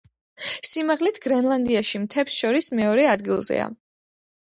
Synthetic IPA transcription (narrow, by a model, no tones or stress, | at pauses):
simaʁlit̪ʰɡ̥ɾɛnlˠand̪iaʃimt̪ʰɛpsʃɔɾismɛɔɾɛad̪ɡilˠzɛ̰a̰